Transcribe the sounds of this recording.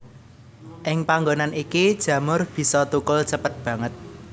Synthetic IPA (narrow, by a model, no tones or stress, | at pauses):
ʔɪŋpaŋɡonanikid̥ʒ̥ä̤mʊrb̥i̤sɔt̪ukʊlt͡ʃəpət̪̚b̥ä̤ŋət̪̚